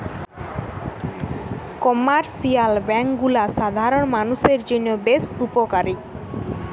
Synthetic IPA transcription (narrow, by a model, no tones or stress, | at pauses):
kɔmaɾsialbɛŋkɡulaʃad̪ʱaɾonmanuʃeɾd͡ʑinobesupokaɾi